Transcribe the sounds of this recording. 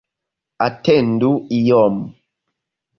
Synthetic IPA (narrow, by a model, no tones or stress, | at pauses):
atɛnduijɔm